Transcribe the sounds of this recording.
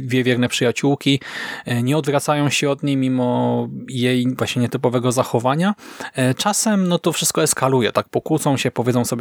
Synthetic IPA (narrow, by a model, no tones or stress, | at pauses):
d̪vʲjɛvʲjɛɾnɛpʂɘjat͡ɕuwkʲiɲɛɔd̪vɾat̪sajɔ̃w̃ɕɛɔd̪ɲejmʲimɔjejvwaɕɲɛɲɛt̪ɘpɔvɛɡɔzaxɔvaɲat͡ʂasɛmnɔt̪ɔfʂɘst̪̚kɔɛskalujɛt̪ak̚pɔkut̪sɔ̃w̃ɕɛpɔvʲjɛd̪zɔ̃w̃sɔbʲ